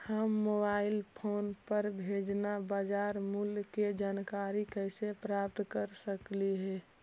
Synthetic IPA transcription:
həmːobaɪlpʰonpəɾbʱed͡ʒnabad͡ʒaɾmulked͡ʒankaɾikəsepɾap̚t̪kəɾsəkliɦɛ

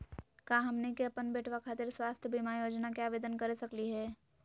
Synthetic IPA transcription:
kaːɦɐmnekeɐpənbeːʈʰwakʰaːt̪ɪɾswaːst̪ʰjəbʱimajoːd͡ʒnakiaːʋeːd̪ənkɐɾesɐkliɦɛː

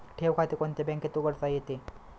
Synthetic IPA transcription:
ʈʰewkʰat̪ekɔnt̪ebɛŋket̪uɡəɾsajet̪e

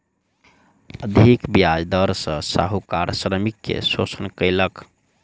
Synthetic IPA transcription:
əd̪ʱikbjad͡ʒd̪əɾsə̃sa̰ɦukaɾsɾəmikːḛsosənkəjlək

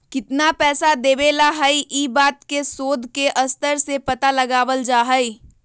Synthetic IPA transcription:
kɪt̪napɛːsad̪eːʋeːlaɦəiʔiːbaːt̪̚kesoːd̪ʱkeʔɐst̪əɾsepɐt̪alɐɡaːʋəld͡ʒaːɦəi

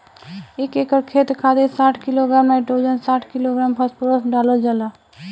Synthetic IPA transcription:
eːkekəɾkʰeːt̪ɾkʰaːd̪esaːʈʰkiloɡɾaːmẽʈoːd͡ʒənsaːʈʰkɪloɡɾaːmpʰəspuɾəsɖaːlod͡ʒala

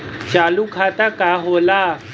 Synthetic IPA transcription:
t͡ɕalukʰat̪akaɦola

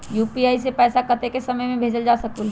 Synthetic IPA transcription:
juːpiaːisepɛːsakəɾt̪ekesɐməjmẽbʱeːd͡ʒəld͡ʒaːsək̪ul

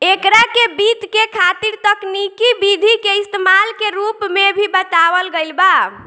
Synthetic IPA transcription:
ekɾakebit̪kekʰat̪iɾt̪əknikibid̪ʱikeist̪emalkeɾupmebʱibət̪aʋəlɡəjlba

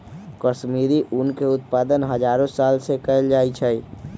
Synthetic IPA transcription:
kəʃmiːɾiʔunkeʊt̪̚paːd̪ənɦəd͡ʒaːɾõsaːlsekəld͡ʒaːit͡ʃʰɛi

